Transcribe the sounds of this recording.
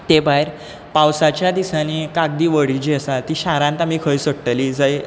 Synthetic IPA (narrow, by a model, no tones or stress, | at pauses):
t̪ebaeɾ | pawsat͡ɕjad̪isanikaɡ̚d̪iːʋəɽid͡ʑiəsat̪iːɕaɾãnt̪amiːkʰəjsəɡ̚ʈ̪əlid͡zəj